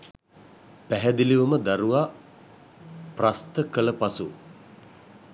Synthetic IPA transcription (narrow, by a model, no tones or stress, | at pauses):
pæɦæd̪iliʋuməd̪aɾuʋa | prast̪əkələpasu